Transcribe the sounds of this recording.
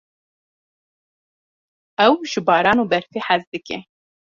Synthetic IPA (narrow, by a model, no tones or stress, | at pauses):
ɛwʒɨbɑːɾɑːnoːbɛɾfeːħazd̪ɨkḛ